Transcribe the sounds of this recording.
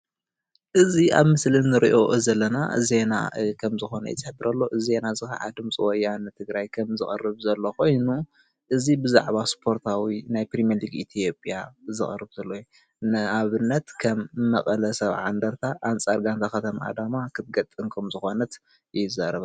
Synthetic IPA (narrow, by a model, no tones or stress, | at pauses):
ʔɨzia̰βmɨslɨnːɨɾiʔo̞ʔzɐlːɐna̰ze̞na̰kʰɐmzɨxo̞nɐ̰jɪ̰t͡sʼɨħbɨɾɐlːo̞ʔɨze̞nazɨxɐ̰ʕa̰d̪ɨmt͡sʼiwɔjanɨt̪ʰɨɡɾajkʰɐmzɨxʼɐ̰rːɨβzɐlːoko̞jnu | ʔɨzibɨza̰ʕβaspʰo̞ɾt̪ʰawinajpɾimaɾliɡit̪ʰijo̞pʼijazɨxʼɐ̰rɨβzɐlːoj | nɨaβɨnːɐt̪kʰɐmːɐχʼɐlɐsɐβʕa̰nd̪ɐɾt̪ʰaʔant͡sʼaɾɡant̪ʰakɐt̪ʰɐmaʔa̰d̪amakʰɨt̪̚ɡɐt̪ʼːɨnkʰɐmzɨxo̞nɐt̪ | jɪzːaɾɐβa